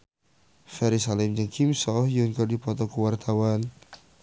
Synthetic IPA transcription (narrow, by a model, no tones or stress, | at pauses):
fɛɾisalɛmd͡ʒəŋkʰimsɔhjunkɔrdipɔt̪ɔkuwart̪ʰawan